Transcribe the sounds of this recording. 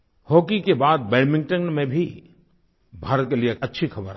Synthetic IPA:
hoːkikebaːd̪̚bɛːɖmɪ̃ŋɡ̚ʈə̃nmẽbʱi | bʱaːɾət̪̚kelieɐtːʃʰixɐbəɾa

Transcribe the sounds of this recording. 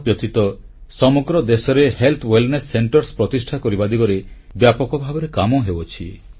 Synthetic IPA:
pjɔt̪it̪ɔ | sɔmoɡɾɔd̪esɔɾehelt̪ʰwelnesːeɳʈɔɾspɾɔt̪isʈʰakɔɾibad̪iɡɔɾe | bjapɔkɔbʱabɔɾekamɔɦebot͡ʃʰi

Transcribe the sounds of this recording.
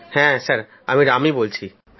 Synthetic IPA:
hɛ̃səɾ | ɐmiɾamibolt͡ɕʰi

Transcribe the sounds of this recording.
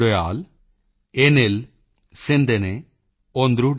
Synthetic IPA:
ɽɐjaːl | enel | send̪ɐne | ond̪ɾu

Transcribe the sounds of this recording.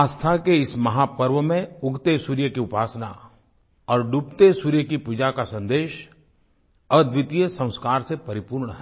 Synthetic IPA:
aːst̪ʰakeɪsmɐɦapəɾʋəmẽʊɡʱt̪esuːɾjəkiʊpaːsna | ɔːɾɖuːpt̪esuːɾjəkipud͡ʒakasɐ̃nd̪eːʃ | ɔd̪ʋɪt̪ijəsɐ̃w̃skaːɾsepɐɾɪpuːɾɳɦɛː

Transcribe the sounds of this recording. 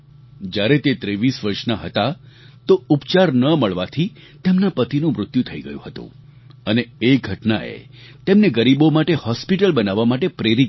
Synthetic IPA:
d͡ʒjaɾet̪et̪ɾeʋisʋəɾʃnaɦət̪a | t̪oupt͡ʃaɾnəməɭʋat̪ʰi | t̪emnapət̪inũmɾʊt̪jut̪ʰəiɡə̰jṵ̃ɦət̪ṵ̃ | əneeɡʱəʈnaḛ | t̪emneɡəɾibomaʈehɔspiʈəlbənaʋamaʈepɾeɾit̪

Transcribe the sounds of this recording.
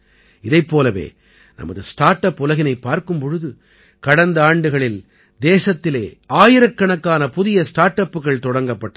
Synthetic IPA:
ɪðɐɪpːoːlɐʋḛː | nɐ̰mɐ̰ðɯsʈaːɾʈːɐpːʊlɐɣɪnɐɪpːaːɾkɯmpɔɻɯðɯ | kɐɽɐnd̪ɐaːɳɖɯɣɐɭɪl | d̪eːsɐt̪ːɪleːaːjɪɾɐkːɐɳɐkːaːnɐpʊðɪjɐsʈaːɾʈːɐpːɯɣɐɭt̪ɔɽɐŋɡɐpːɐʈːɐ

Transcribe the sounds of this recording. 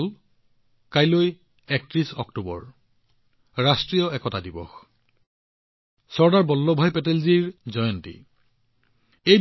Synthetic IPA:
l | kajloj | ɛk̚tɹisɔktubɔ̰ɹ | ɹastɹijɔɛkɔtadibɔ̰x | sɔɹdaɹbɔlːɔbʱajpɛtelziɹzɔjɔntḭ | ej

